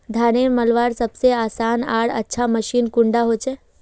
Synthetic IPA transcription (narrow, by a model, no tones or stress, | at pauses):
d̪ʱaːneməlʋaːɾsəbseaːsaːna̰ːɽə̰tːʃʰaməʃiːnkʊ̃ɳɖaɦot͡ʃʰe